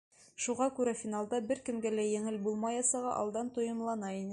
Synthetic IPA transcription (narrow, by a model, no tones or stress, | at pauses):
ʃuʁɑkʉɾæfʲinalˠd̪ɑbɘɾkɘ̆mɡælæjɘ̆ŋɘlbulˠmɑjɑsɑʁɑʔɒ̰lˠd̪ɑnt̪ŏjɤ̆mlˠɑnɑinɘ